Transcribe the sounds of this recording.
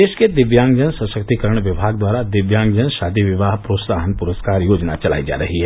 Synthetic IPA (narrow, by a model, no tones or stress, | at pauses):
eːʃked̪ɪʋjãːŋɡd͡ʒənsəʃək̚t̪ikəɾəɽ̃ʋɪbʱaːɡd̪waːɾad̪ɪʋjãːŋɡd͡ʒənʃaːd̪iʋɪʋaːɦpɾoːt̪saːɦənpʊɾəskaːɾjoːd͡ʒna̰t͡ʃɐla̰ːid͡ʒa̰ːɾɐɦiɦɛː